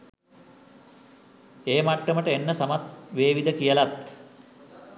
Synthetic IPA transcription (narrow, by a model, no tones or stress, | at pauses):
eːmaʈːəməʈəenːəsɐmat̪ʋeːʋid̪əkijəlat̪